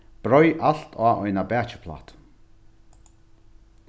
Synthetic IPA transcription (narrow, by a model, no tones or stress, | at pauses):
b̥ɾɔjʔal̥t̪ʰaːʔɔjnabɛːt͡ʃɪ̥pʰla̰ːht̪